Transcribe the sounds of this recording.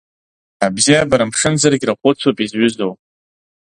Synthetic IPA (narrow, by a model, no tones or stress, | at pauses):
abzijabaɾamʂɨnzarɡʲraqʷʼʊt͡sʷʰopʼizɥʏzowpʼ